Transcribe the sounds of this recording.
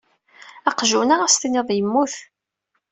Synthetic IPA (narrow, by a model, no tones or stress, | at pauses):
ɑqʒunaʁast̪iniðˤjəmːuθ